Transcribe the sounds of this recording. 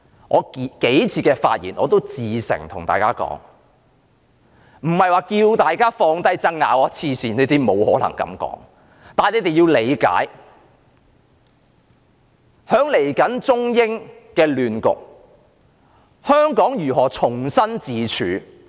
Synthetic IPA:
ŋʔɔː˨˧kke˨˥jt͡sʰiː˨˧kɛː˧fa̰ː˧t̚jḭː˨˩nɔː˨˧t̪o˥wt͡siː˨sɪ̰˨˩ŋt̪ʰʊ˨˩ŋt̪a̰ː˨jkaː˥kɔ̰ː˨˥ŋ | m̩˨˩hɐ˨jwaː˨kiː˧wt̪aː˨jkaː˥fɔː˧ŋt̪ɐ˥jt͡sɐ˥ŋːa̰ː˨˧wɔ˨˧˥t͡sʰiː˧siː˨˩ne˥˧jt̪i˥mo˨˧whɔː˨˥lɐ̰˨˩ŋkɐ̰˨˥mkɔ̰ː˨˥ŋ | t̪aː˨ne˨˧jt̪e˨˩ji˧wle˨˧jka̰ː˨˥j | hœː˨˥ŋle˨˩jkɐ˨˥nt͡sʊ˥ŋjɪ˥ŋkɛː˧lyː˨nkʊ̰˨k̚ | hœː˥ŋkɔː˨˥ŋjyː˨˩ɦɔː˨˩t͡sʰʊ˨˩ŋsɐ˥nt͡siː˨t͡ʃʰyː˨˧

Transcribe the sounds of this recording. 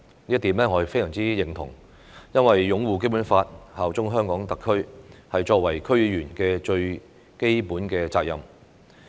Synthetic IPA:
liː˥ɐ˥t̪iː˨˥mlɛː˥ŋɔ˨˧jɐ˨˩fe˥jsœː˨˩ŋt͡siː˥jɪ˨˩ŋt̪ʰʊ̰˨˩ŋ | jɐ˥nwɐ˨jːʊ˨˧˥ŋwuː˨˩k̬e˥jpu˨˥nfaː˧t̚haː˨wt͡sʊ˥ŋɦœː˥ŋkɔː˨˥ŋt̪ɐ˨kʰːɵ˥ɥhɐ˨jt͡ʃɔː˧k̚wɐ˨˩jkʰɵ˥ɥjyː˨˩nkɛː˧t͡ʃɵ˧ɥ | ke˥jpuː˨˥nkɛː˧t͡saː˧k̚jɐ̰˨m

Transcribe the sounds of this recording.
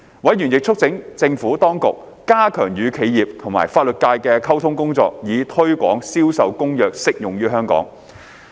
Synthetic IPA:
wɐ˨˥jɥyː˨˩njɪ˨k̚t͡ʃʰʊ˥k̚t͡sɪ˨˥ŋt͡sɪ˧ŋfuː˨˥t̪ɔː˥ŋkʊ̰˨k̚ːaː˥kʰœː˨˩ŋjyː˨˧kʰe˨˧jiː˨p̚t̪ʰʊ˨˩ŋma̰ː˨˩jfaː˧t̚lɵ˨t̚kaː˧jkɛː˧kʰɐ˥wt̪ʰʊ˥ŋkʊ˥ŋt͡sɔ̰ː˧k̚jiː˨˧t̪ʰɵ˥ɥkʷɔ̰ː˨˥ŋsiː˥wsɐ˨wkʊ˥ŋjœː˨k̚sɪ˥k̚jʊ˨ŋjyː˥ɦœː˥ŋkɔ̰ː˨˥ŋ

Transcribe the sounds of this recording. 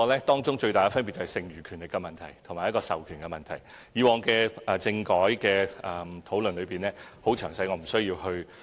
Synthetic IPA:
ɔ˧lɛː˥t̪ɔː˥ŋt͡sʊ˥ŋt͡ʃɵ˧ɥta˨jkɐ˧fɐ˥npiː˨tt͡sɐ˨hɐ˨˩sɪ˨ŋjyː˨˩kʰyː˨˩nlɪ˨kːɛ˧mɐ˨nt̪ʰɐ˨˩jt̪ʰʊ˨˩maː˨˩jɐ˥kɔː˧sɐ˨wkʰyː˨˩nkɛ˧mɐ˨nt̪ʰɐ˨˩j | jiː˨˧wɔː˨˩ŋkɛː˧ɛ˨˧t͡sɪ˧ŋkɔː˨˥jkɛː˧ɐ˨t̪ʰo˨˥wlɵ˨nlɵ˨˧piː˨˩nlɛː˥ho˨˥wt͡ʃʰœː˨˩ŋsɐ˨˥jŋɔː˨˧m̩˨˩sɵ˥ɥjiː˧whɵ˧ɥ

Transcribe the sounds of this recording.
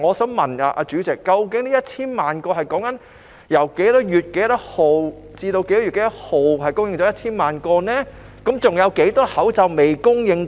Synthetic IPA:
ŋɔː˨˧sɐː˨˥mmɐ˨˩naː˨˧ʔa̰ː˧t͡ʃyː˨˥t͡sɪ˨kːɐ˧wk̬ɪ˨˥ŋniː˥jɐ˥t̚t͡sʰiː˥nmaː˨nkɔː˧hɐ˨jkɔː˨˥ŋkɐ˨˥n | jɐ˨˩wke˨˥jt̪ɔː˨˥jyː˨t̚ke˨˥jt̪ɐ˥t̚ho˨w | t͡siː˧t̪o˧wke˨˧˥jtɔː˧˥y˨˩ke˨˧jt̪ɐ˥t̚ho˨˩wɦɐ˨jkʊ˥ŋjɪ˧ŋt͡ʃɔː˨˥jɐ˥t̚t͡sʰiː˥nmaː˨˩nkɔː˧nɛː˥ | kɐ˨˥mt͡sʊ˨˩ŋjɐ˨˧wke˨˥jt̪ɔː˥hɐ˨˥wt͡sɐ˨wme˨jkʊ˥ŋjɪ˧ŋ

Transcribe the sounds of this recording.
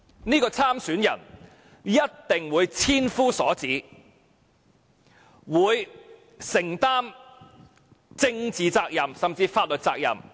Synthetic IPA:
niː˥kɔː˧t͡sʰaː˥msyː˨˥njɐ̰˨˩n | jɐ˥t̚t̪ɪ˨ŋwuː˨˧jt͡sʰiː˥nfuː˥sɔː˨˥t͡siː˨˥ | wuː˨˧j | sɪ˨˩ŋt̪aː˥m | t͡sɪ˧ŋt͡siː˨t͡saː˧k̚jɐ˨msɐ˨˩mt͡siː˧faː˧t̚lɵ˨t̚t͡saː˧k̚jɐ̰˨m

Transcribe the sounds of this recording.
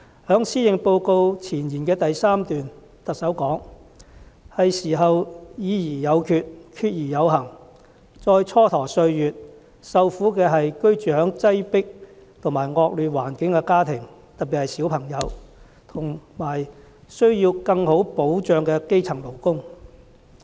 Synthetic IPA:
hœː˨˥ŋsiː˥jɪ˨ŋpo˧wko˧wt͡sʰiː˨˩njiː˨˩nkɛː˧t̪ɐ˨jsaː˥mt̪yː˨n | t̪ɐ˨k̚sɐ˨˥wkɔː˨˥ŋ | hɐ˨jsiː˨˩ɦɐ˨wjiː˨˧jiː˨˩jɐ˨˧wkʰyː˨˧t̚kʰyː˧t̚jiː˨˩jɐ˨˧wɦɐ˨˩ŋ | t͡sɔː˧jt͡sʰɔː˥t̪ʰɔː˨˩sɵ˧ɥjyː˨t̚ | sɐ˨˧wfuː˨˥kɛː˧ɦɐ˨jkɵ˥ɥt͡ʃyː˨hœː˨˥ŋt͡sɐ˥jpɪ˥k̚t̪ʰʊ˨˩ŋmaː˨˩jŋɔː˧k̚lyː˨waː˨˩nkɪ˨˥ŋkɛ˧kaː˥t̪ʰɪ˨˩ŋ | t̪ɐ˨t̚pːi˨˩hɐ˨jsi˨˥wpʰɐ˨˩ŋjɐ˨˧w | t̪ʰʊ˨˩ŋmaː˨˩j | sɵ˥ɥjiː˧wkɐ˧ŋho˨˥wpo˨˥wt͡ʃœː˨ŋkɛ˧ke˥jt͡sʰɐ˨˩ŋmo˨˩wkʊ˥ŋ

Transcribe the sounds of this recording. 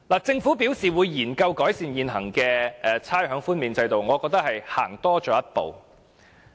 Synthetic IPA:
laː˨˩t͡sɪ˧ŋfuː˨˥piː˨˥wsiː˨˩wuː˨˧jːiː˨˩nkɐ˧wkɔː˨˥jsiː˨njiː˨nɦɐ˨˩ŋkɛː˧ʔɛ˨˧t͡sʰaː˥jɦœː˨˥ŋfuː˥nmiː˨˧nt͡sɐ˧jt̪o˨wŋɔː˨˧kɔː˧k̚t̪ɐ˥k̚hɐ˨jhaː˨˩ŋt̪ɔː˥t͡ʃɔː˨˥jɐ˥t̚po̰˨w

